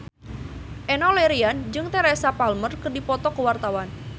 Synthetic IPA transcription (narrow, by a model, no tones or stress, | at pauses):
ʔɛnɔleɾiand͡ʒɨŋt̪eɾesapalmərkɨrdipɔt̪ɔkəwart̪awan